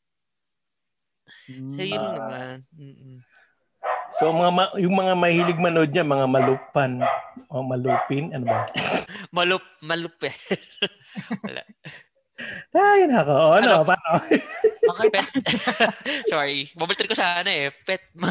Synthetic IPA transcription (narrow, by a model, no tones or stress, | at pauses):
sɐjʊnɐnɐman̩ːʔ | somɐŋamajʊŋmɐŋamɐhiːlɪɡ̚mɐnod̪̚ɲamɐŋamɐlupːanmɐamɐlupɪnʔɐnoba | mɐlʊp̚mɐlʊpɛ | wɐ̰la̰ʔ | ajʊnakoʔoʔɐnopaːno | mɐapɛt̪ | soɹimɐbɐlt̪ɪd̪kosaːnɐʔɛpɛt̪̚mɐ